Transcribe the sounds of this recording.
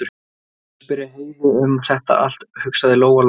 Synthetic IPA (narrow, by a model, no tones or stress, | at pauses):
t̪ʏɾ̥ | pɪɾɪɦheːjvʏʏmθɛht̪a̰ʔa̰l̥t̪hʏksaðɪloːwɣal